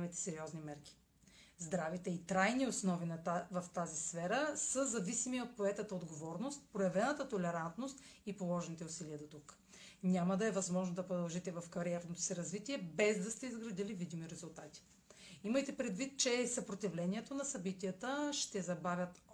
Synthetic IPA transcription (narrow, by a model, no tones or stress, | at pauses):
mɛt̪ɛ̥sɛɾiɔznimɛɾk̟ʲi̥ | zd̪ɾavit̪ɛit̪ɾajniosnɔvinɐvɐft̪azisfɛɾəsəzɐvisimiot̪̚poɛt̪ət̪əod̪ɡovɔɾnost̪̚pɾojɐvɛnət̪ət̪olɛɾant̪nost̪ipolˠɔʒɛnit̪ɛʊsiliɐd̪ot̪uk | nʲaməd̪ɐɛvɐzmɔʒnod̪ɐpɾod̪ɐlˠʒit̪ɛvɐfkɐɾiɛɾnot̪o̥sɛɾɐzvit̪iɛbɛzd̪ɐst̪ɛizɡɾɐd̪ilivid̪imiɾɛzulˠt̪at̪i̥ | iməjt̪ɛpɾɛd̪vit̪̚t͡ʃɛsɐpɾot̪ivlɛniɛt̪onɐsɐbit̪ijət̪əʃt̪ɛzɐbavʲət̪